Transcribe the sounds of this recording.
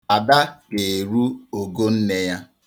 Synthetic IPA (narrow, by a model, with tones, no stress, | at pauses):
a˨da˦ke˨e˨ɾu˦o˨ɡo˦n̩˦ne˦ja˦